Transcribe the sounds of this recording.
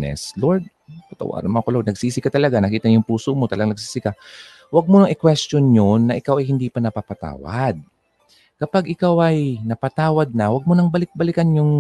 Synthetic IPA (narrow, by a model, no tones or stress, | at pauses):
nɛ̰sloɹd̪̚ | t̪ɐt̪ɐ̰wa̰ːɾɐnmoʔɐkoloɹd̪nɐɡsiːsɪkɐt̪ɐlɐɡanɐkiːt̪ɐnjʊŋpuːsomo̞t̪ɐlɐɡaŋnɐɡ̚siːsɪka | wɐɡ̚monɐŋɪkwɛst̪onɲonːɐʔɪkawɐjhɪnd̪iːpɐnɐpapɐt̪a̰ːwɐ̰d̪̚ | kɐpaɡʔɪkawʔɐjnɐpɐt̪aːwɐd̪̚nɐwɐɡ̚monɐŋbɐlɪk̚bɐlɪkanjʊŋ